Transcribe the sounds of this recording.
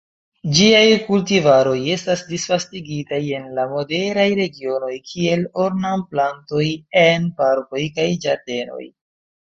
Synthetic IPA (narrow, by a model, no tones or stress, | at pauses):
d͡ʒiajkultivaɾo̞je̞stasdisfastiɡitaje̞nlamo̞de̞ɾajɾe̞ɡio̞no̞jkʰie̞lo̞ɾnamplanto̞jenpaɾko̞jkajd͡ʒaɾde̞no̞̰j